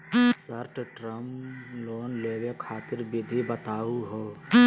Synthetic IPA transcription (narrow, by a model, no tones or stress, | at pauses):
səɾʈʈɾəmloːnleːwekʰaːt̪ɪɾbɪd̪ʱibət̪aːuɦoː